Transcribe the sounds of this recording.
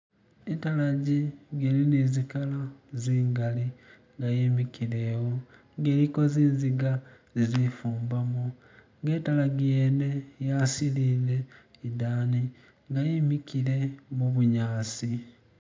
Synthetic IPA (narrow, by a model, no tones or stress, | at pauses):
etalaɟiɡelinezikalaziːŋɡali | ŋɡajimikile̞ːwo | ŋɡe̞ːɾiko̞ziːnziɡazizifuːmbamu | ŋɡe̞ːtalaɡieːne̞jasiliːle̞idaːni | ŋɡajimikile̞muβuɲaːsi